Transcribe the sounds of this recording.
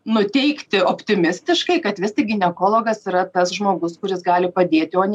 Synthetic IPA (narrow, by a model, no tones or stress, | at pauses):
nʊt̪ʲɛɪkt̪ʲɪoːpʲt̪ʲɪmʲɪsʲt̪ʲɪʃkɐɪkɐt̪ʋʲɪst̪ʲɪɡʲɪnʲɛkoːlˠoːɡɐsiɾɐt̪ɐsʒmoːɡʊskʊɾʲɪsɡɑːlʲɪpɐd̪ʲeːt̪ʲɪoːnʲ